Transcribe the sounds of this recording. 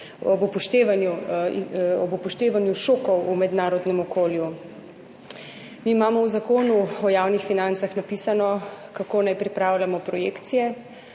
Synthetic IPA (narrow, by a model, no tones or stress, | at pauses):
ɔbupɔʃt̪eːʋanju | ɔbupɔʃt̪eːʋanjuʃoːkɔwumɛd̪naːɾɔd̪nɛmɔkoːlju | miimaːmɔwzakoːnuɔjaːwnixfinant̪saxnapiːsanɔ | kakoːnajpɾipɾaːwlamɔpɾɔjeːkt̪sijɛ